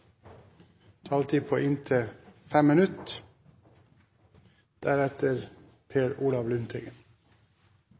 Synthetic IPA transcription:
t̪ʰɑːlt̪ʰiːpʰoːʔɪnt̪ʰəfɛmmːɪnʉt̪ | d̪̥æɾɛt̪əɾ | pʰeːɾuːlɑʋlʉnt̪ʰɪɡən

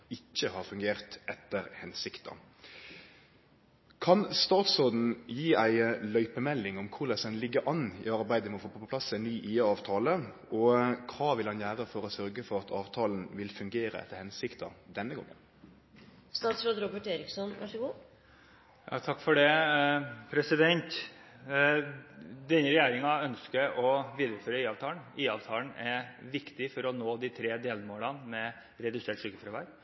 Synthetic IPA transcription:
ɪçːəhɑːɾfʉŋɡeːɾt̪ɛt̪ːəɾhɛnsɪkt̪ʰɑ̰ | kʰɑnst̪ɑːt̪sɾoːd̪n̩jiːæɪlœʏpəmɛlːɪŋɔmkʰʊɾlɛsənlɪɡːəɾʔɑnːɪɑɾbæɪd̪əmɔfoːpʰɔːpɔpʰlɑsæɪnnyːʔiːəɑːʋt̪ʰɑːlə | ɔkʰɑːʋɪlhɑnjæːɾəfɔɾɔsœɾɡəfɔɾɑt̪ʰɑ̰ːʋt̪ʰɑːln̩ʋɪlfʉŋɡeːɾə̰ʔɛ̰t̪ːəɾhɛnsɪkt̪ɑd̪ɛnːəɡɔ̰ŋːə̰n | st̪ɑːt̪sɾoːd̪ɾɔbəʈeːɾɪksɔnʋɑʂəɡuː | jɑ̰ːt̪ʰɑkːfɔɖɛ | pʰɾɛsɪd̪ɛnt̪ | d̪ɛnːəɾɛjæːɾɪŋɑœnskəɔʋiːd̪əɾəføːɾəiːɑʋt̪ʰɑːn̩iːɑʋt̪ʰɑːln̩ɛʋɪkt̪ɪfɔɾɔnoːd̪ɪt̪ʰɾeːd̪eːlmoːlɑnmɛ | ɾɛd̪ʉseːʈʂʏkːəfɾɛʋɑɾ

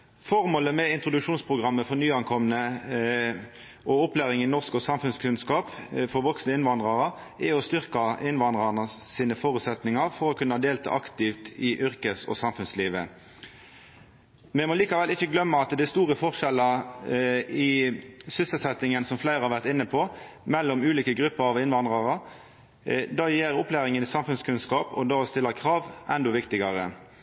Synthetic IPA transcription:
fɔʁmoːləmɛɪnt̪ʁʊd̪ʉkʂuːnspʰʁʊɡʁɑmːəfɔʁnyːɑnkʰɔmənə | ʔɔɔplæːʁɪŋɪnɔʁskɔsɑmfʉnskʰʉnskɑːpfɔʁʋɔksnəɪnʋɑnd̪ʁɑʁə | ɛɔst̪ʏʁkɑɪnʋɑnd̪ʁɑnəsiːnəfoːɾʉt̪sɛt̪nɪŋɑʁfɔɾɔkʉnːəhɑːd̪eːlt̪ʰɑ̰ːʔɑkt̪ɪft̪ɪʔʏʁkəsɔ̰sɑmfʉnsliːʋə̰ | mɛmɔliːkɑʋɛlɪçːəɡlœmːəɑt̪d̪æɛst̪uːʁəfɔʁʃɛlːə | ɪsʏsəlsɛt̪ːɪŋənsɔmflæɪɾʁhɑʁʋæʁt̪ɪnːəpʰɔmɛlːɔmʉːliːkəɡɾʉpːəɾɑʋɪnʋɑnd̪ʁɑʁə | d̪ɑːjeːɾɔplæːʁɪŋənɪsɑmfʉnskʰʉnskɑːpɔ̰d̪ɑːst̪ɪlːəkʰʁɑːʋʔɛnd̪ɔʋɪkt̪ɪɡɑɾə

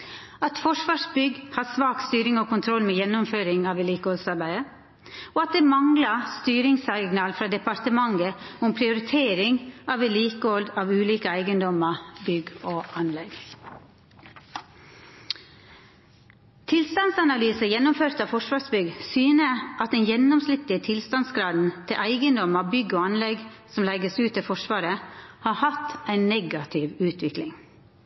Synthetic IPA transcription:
ɑt̪fɔʂʋɑːʂbʏɡhɑsʋɑːkst̪yːɾɪŋoːkʰʊnt̪ʰɾɔlmeːjɛnːʊmføːɾɪŋɑːʋɛliːkəɔlsɑɾbæɪə | oːɑt̪̚d̪eːmɑŋlɑst̪yːɾɪŋsɑɡnɑːlfɾɑːd̪ɛpɑɾt̪əmɑŋɡəʊmpʰɾɪʊɾɪt̪ʰeːɾɪŋɑːʋɛliːkəɔld̪ɑːʋʉːliːkəæɪɡənd̪ɔməbʏɡoːʔɑnlɛɡ | t̪ʰɪlst̪ɑnsɑnɑlyːsəjɛnːʊmføːɾt̪ɑːʋfɔʂʋɑːsbʏɡsyːnəʔɑt̪̚d̪ɛnjɛnːɔmslɪt̪ːət̪ʰɪlst̪ɑnsɡɾɑːd̪n̩t̪ʰɪlʔæɪɡənd̪ɔməbʏɡːoːɑnlɛɡsɔmlɛɡəsʉːt̪ːɛfɔʂʋɑːɾəhɑːhɑt̪æɪnɛɡɑt̪ʰɪʋʉːt̪ʰʋɪklɪŋ

